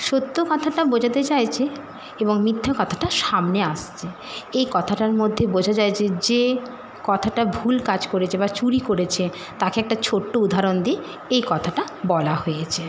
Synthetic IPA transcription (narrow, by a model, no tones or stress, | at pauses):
ʃot̪ːokɔt̪ʰaʈabod͡ʑʱat̪et͡ɕajt͡ɕʰe | eboŋmit̪ʰːakɔt̪ʰḁʈaʃamneaʃt͡ɕʰe | ejkɔt̪ʰaʈaɾmod̪ʱːebod͡ʑʱat͡ɕaet͡ɕʰed͡ʑe | kɔt̪ʰaʈabʱulkad͡ʑkoɾet͡ɕʰebat͡ɕuɾikoɾet͡ɕʰe | t̪akeɛk̚ʈat͡ɕʰoʈːoud̪ʱaɾond̪ie | ejkɔt̪ʰaʈa | bɔlahojet͡ɕʰe